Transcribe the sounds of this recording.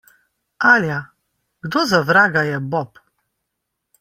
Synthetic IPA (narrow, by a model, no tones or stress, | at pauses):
alʲja | ɡ̥d̪ɔzavɾaɡajɛbɔp